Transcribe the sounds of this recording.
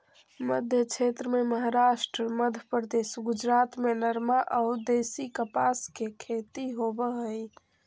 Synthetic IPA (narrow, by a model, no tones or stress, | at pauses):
məd̪ʱjəkt͡ʃʰet̪ɾəmeməɦaɾaʃʈɾəməd̪ʱjəpɾəd̪esɡud͡ʒɾat̪menəɾmaʔəʊd̪esikəpaskekʰet̪iɦobəɦəj